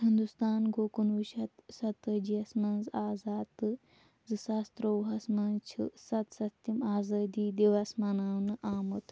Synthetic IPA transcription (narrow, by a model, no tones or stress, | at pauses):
hind̪ust̪aːnɡoːkunʋuʃɐt̪sɐt̪ɨd͡ʒijɐsmɐnzaːzaːt̪ɨ | zɨsɐst̪ɾowɦɐsmɐnt͡ʃʰḭsɐt̪sɐst̪imaːzɐːd̪iːd̪iʋɐsmɐnaːwnɨʔaːmut̪